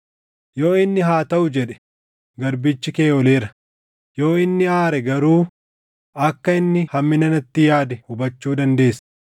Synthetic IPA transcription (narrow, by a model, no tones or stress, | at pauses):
jo̞ːɪnːɪɦaːt̪ɐʔʊd͡ʒɛᶑɛ̥ | ɡɐɾbɪt͡ʃːɪke̞ːɔle̞ːɾɐ̥ | joːɪnːɪaːɾɛɡɐɾuː | ʔɐkːɐɪnːɪhɐmːɪnɐnɐt̪ːɪjaːd̪ɛhʊbɐt͡ʃːuːd̪ɐnd̪e̞ːsːɐ̥